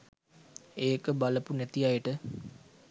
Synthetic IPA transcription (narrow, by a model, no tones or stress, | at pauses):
eːkəbaləpunæt̪ijajəʈə